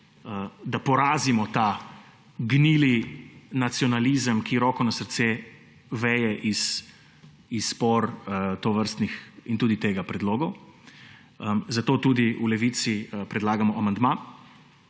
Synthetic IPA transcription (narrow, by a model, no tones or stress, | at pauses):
əd̪apɔɾaːzimɔt̪a | ɡniːlinat̪siɔnalizəmkiɾɔkɔnasəɾt̪se | ʋɛːjɛʔis | isːpɔɾt̪ɔʋəɾst̪nixint̪uːd̪it̪eːɡapɾɛd̪loːɡɔw | zat̪oːt̪ud̪iulɛʋit̪sipɾɛd̪laːɡamɔʔamand̪ma